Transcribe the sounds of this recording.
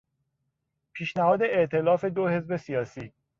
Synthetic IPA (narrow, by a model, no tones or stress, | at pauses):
pʰiːʃnæhɒːd̪e̞eʔt̪ʰe̞lɒːfe̞d̪ohe̞zbe̞sijɒːsiː